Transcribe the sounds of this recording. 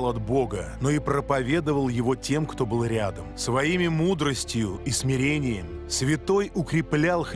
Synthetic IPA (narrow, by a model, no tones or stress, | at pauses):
lˠɐd̪bo̞ɡəno̞ipɾəpɐvʲe̞d̪əvəlˠjɪvo̞tʲe̞mkt̪o̞bɨlˠɾʲad̪əmsvɐimʲɪmud̪ɾəsʲtʲɪjʊismʲɪɾʲenʲɪjəmʲɪsvʲɪt̪o̞jʊkɾʲɪplʲalˠx